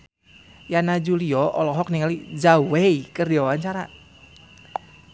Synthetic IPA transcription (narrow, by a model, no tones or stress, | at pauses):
janad͡ʒuliɔʔɔlɔɦɔk̚niŋalid͡ʒaweikərdiwawaɲt͡ʃaɾa̰